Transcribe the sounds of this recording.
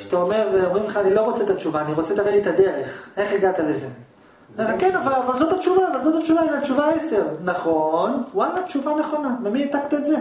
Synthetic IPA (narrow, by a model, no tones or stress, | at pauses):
ʃt̪aomeʁveomʁimleχaːnilo̞ʁo̞t͡set̪at͡ʃuvaːniʁo̞t͡setaʁelit̪ad̪e̞ʁeχe̞χeɡat̪aleze | meʁakenavalavalzo̞t̪at͡ʃuvaːvalzot̪at͡ʃuvaelat͡ʃuvaese̞ʁnaχo̞nwalatt͡ʃuvane̞χo̞namemiet̪akt̪iedze